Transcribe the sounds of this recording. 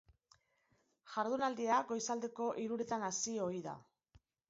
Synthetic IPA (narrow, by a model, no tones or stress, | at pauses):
ʝaɾðunald̪iaɡo̞jsald̪e̞ko̞ʔiɾuɾet̪anasio̞iða̰